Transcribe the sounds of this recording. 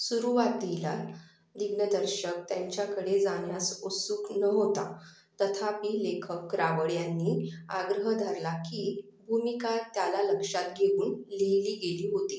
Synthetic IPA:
suɾuʋat̪̚d̪ʱila | d̪iɡnəd̪əɾɕək̚t̪jaɲt͡ɕjakəɽed͡zaɳjasosuːknəɦot̪a | t̪ət̪ʰapiːlekʰəkːɾaʋəɭjanːiːaɡɾəɦəd̪ʱaɾlaki | bʱumikat̪jalaləkʂat̪̚ɡʱeuːnliɦiliːɡeliːɦot̪i

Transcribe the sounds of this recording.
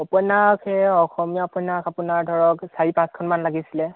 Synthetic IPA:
ɔpɔjnakɛɔxɔmijaːpɔnakapunaɹdʱɔɹɔksaɹipãskʰɔnmanlaɡisilɛ

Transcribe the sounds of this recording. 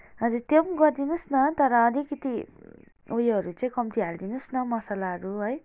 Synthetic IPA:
ɦʌd͡zurt̪emɡʌrd̪inʌsnʌt̪ʌɾʌːlikʌt̪i | ojʌɾut͡sʌĩkʌmt̪iɦald̪inusnʌmʌsalaɦʌɾuɦʌj

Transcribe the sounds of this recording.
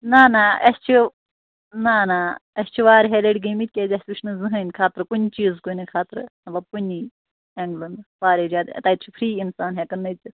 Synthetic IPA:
naːnaːɐst͡ʃʰi | naːnaːɐst͡ʃʰiʋaːɾɦeleɖɡɐmit̪̚ʲkʲeːzʲɐst̪ʋiʃʰnɨzɨɦɐnʲkʰaːt̪ɾɨkunʲt͡ʃiːzkunɨkʰaːt̪ɾnɐbɐpunʲi | eŋɡlɐnd̪paːɾed͡ʒaːd̪t̪aːjt̪t͡ʃʰi̥pʰɾiːinsaːnɦekɐnːɐjt͡si

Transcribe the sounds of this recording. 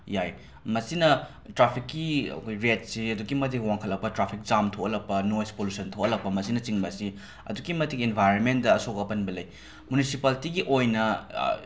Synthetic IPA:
jaj | mɐsinɐ | tɾapʰikːiɐ̰kʰojɾet̚siɐduɡimɐt̬ikwaŋkʰɐlːɐk̚pɐtɾapʰik̚zamtʰokɐlɐk̚pɐnojspolusɐntʰowkʔɐlɐk̚pɐmɐsinɐt͡ʃiŋbɐsi | ɐ̰duɡimɐtikenbʱajɾonmen̚dɐːsokɐpɐnbɐlɐj | munisipaltiɡiʔojnɐ̰

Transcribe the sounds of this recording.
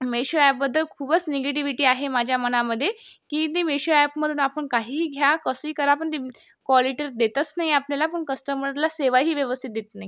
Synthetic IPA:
meɕoɛp̚bəd̪ʱːəlkʰuːbət͡sneɡeʈiʋiʈiːaɦemad͡ʑʱjamənaməd̪ʱːjekiːt̪emeɕoɛpməd̪ʱuːnapəɳkaɦiːiːɡʱjakəsiːkəɾapəɳt̪i | kʋɔliʈəɾd̪et̪ət͡snaɦiapljalapəɳkəsʈ̪əməɾlaseʋajɦiːʋjəʋəst̪ʰit̪̚d̪et̪naɦi

